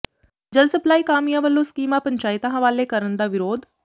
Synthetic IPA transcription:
d͡ʒəlsəplaːiːkaːmijãːʋəlːõːskiːmãːpəɲt͡ʃaːɪt̪ãːɦəʋaːleːkəɾənd̪aːʋɪɾoːd̪

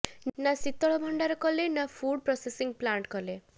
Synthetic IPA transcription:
nasit̪ɔɭɔbʱɔɳɖaɾɔkɔlenafʰuɽ̚pɾɔsesiŋɡplaɳʈkɔle

